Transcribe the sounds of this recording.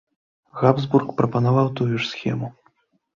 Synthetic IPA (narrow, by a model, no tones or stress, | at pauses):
ɣabzburkpɾɐpɐnavawt̪ujuʂsʲxʲɛmu